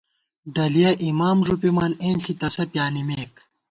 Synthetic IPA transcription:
ɖɐlijɐʔimaːmʐupimaːneːnɬit̪ɐsɐpjaːnimeːk

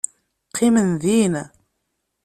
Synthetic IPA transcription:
qʰːimənðin

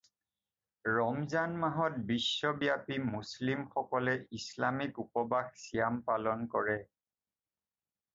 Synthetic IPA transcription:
ɹɔmzanmaɦɔt̚bisːɔbijapimuslimxɔkɔlɛislamikupɔbaxsijampalɔnkɔɹɛ

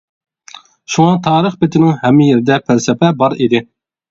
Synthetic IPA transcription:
ʃuŋɑt̪ʰɑːɾəχbɪt̪ʰɪnɪŋɦɛmːɪjeɾɪd̪ɛpʰælsɛpɛbɑɾid̪ɪ

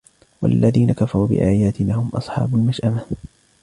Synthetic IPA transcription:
walːaðiːnakafɑɾˤuːbɪ̰ʔaːjaːt̪ɪnaːhʊmʔɑ̰sˤħɑ̰ːbʊlmaʃʔama

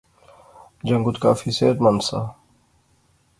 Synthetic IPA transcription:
d͡ʒɐŋɡut̪ka̰ːfiseːt̪mɐnsa̰

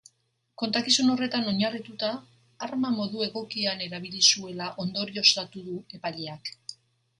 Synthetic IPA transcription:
ko̞nt̪akisuno̞re̞t̪ano̞ɲarit̪ut̪aː | ɾmamo̞ðue̞ɣo̞kiane̞ɾaβ̞ilisue̞laʔo̞nd̪o̞ɾio̞st̪at̪uðue̞paʎeak

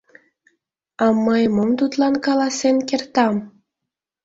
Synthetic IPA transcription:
ɑməjmomt̪ut̪lɑnkɑlɑsenkert̪ɑm

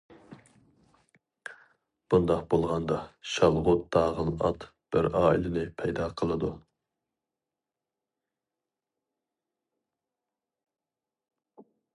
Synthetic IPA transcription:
b̥und̪ɑq̚bolˠʁɑnd̪ɑʃɑlˠʁʊt̪̚d̪ɑːʁənɑt̪b̥ɪɾɑːḭlɪnɪpʰɛjd̪ɑːqʰəlˠɨd̪u

